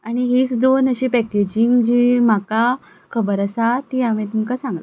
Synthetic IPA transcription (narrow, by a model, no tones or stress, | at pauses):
aɽ̃iɦiːt͡sd̪onəɕipɛked͡ʑiŋɡd͡ʑiːm̤aka | kʰəbəɾasat̪iamẽt̪uŋkasãŋɡla